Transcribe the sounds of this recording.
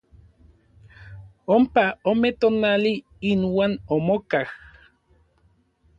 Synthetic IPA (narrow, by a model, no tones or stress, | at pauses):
ompaomet̪oːnali | inwaːnomokah